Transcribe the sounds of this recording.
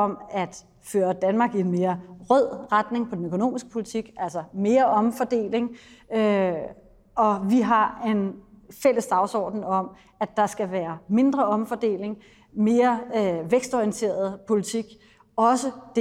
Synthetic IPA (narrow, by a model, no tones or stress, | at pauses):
ɒ̽mæd̥ | føːɐd̥ænmɑ̈ɡ̥ienme̝ːɐʁœð̰ˠʁad̥ne̝ŋpʰɒ̽d̥en̩økʰo̝no̝̰ːmisɡ̥əpʰo̝lit͡sʰiɡ̥ʔæl̰sɐme̝ːɐʔɒ̽mfɒd̥e̝̰ːle̝ŋø | ɒ̽ʋiɦɑ̈e̝nfel̰əsd̥ɑ̈ʊsɒ̰ːd̥n̩ɒ̽m̰ | æd̥ɑ̈sɡ̥æʋæːɐme̝nd̥ʁɐɒ̽mfɒ̽d̥e̝̰ːle̝ŋ | me̝ːɐʋeɡ̥sd̥ɒiənt͡sʰe̝̰ːɐð̞̩ˠpʰo̝lit͡sʰiɡ̥ | ɒ̽səd̥e